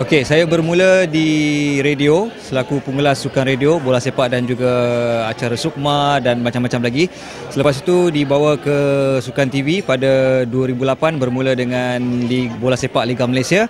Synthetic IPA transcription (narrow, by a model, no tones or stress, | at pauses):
okesajabərmũlədiɾediosəlakupuŋulasːukanrediobolahsepaʔdand͡ʒuɡaat͡ʃaɾasuk̚madanbat͡ʃamːat͡ʃamlaɡi | sələpasit̪udibawakəsukant̪ivipadaduəɾibulapanbərmulədəŋanlibolahsepaʔliɡamalajsia